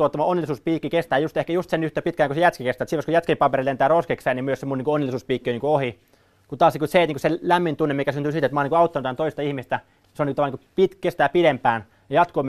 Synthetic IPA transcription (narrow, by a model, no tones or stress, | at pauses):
uot̪ːɑmɑonːelisuːspiːkːikest̪æːjust̪ehkæjust̪senyht̪epit̪kæːŋkusejæt̪kikest̪æːt̪sitʋɑskojæt̪kempɑperilent̪æːroskekseːnimyøsemːoniːŋkuonːelːˑisuːspiːkːioniːkuohi | kut̪ɑːsnikuseit̪niːkselæmːint̪unːemikæsynt̪yːsit̪et̪mɑniŋkoɑut̪ːɑnut̪ænt̪oist̪ɑihmist̪æ | seoniŋut̪ɑmɑnikupit̪kest̪æːpidempæːn | jɑjɑt̪koːm